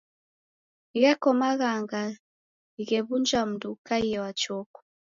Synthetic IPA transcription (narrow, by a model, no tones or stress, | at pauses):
iɣɛkɔmaɣaŋɡa | iɣɛβund͡ʒam̩dukaiɛwat͡ʃɔkɔ̥